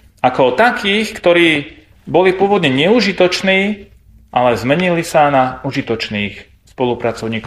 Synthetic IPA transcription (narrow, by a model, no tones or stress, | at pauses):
akɔt̪akiːxkt̪ɔɾiː | bɔlipʊɔʋɔd̪ɲɛɲɛuʒit̪ɔt͡ʃniː | ʔalɛzmɛɲilisanauʒit̪ɔt͡ʃniːx | spɔlupɾat͡sɔʊɲiːkɔ